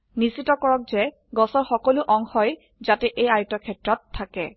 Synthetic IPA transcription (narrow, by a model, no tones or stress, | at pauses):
nisitɔkɔɹɔk̚zɛ | ɡɔsɔɹxɔkɔlʊʔɔŋxɔj | zatɛʔejaɹtɔkʰɛtɹɔtʰːakɛ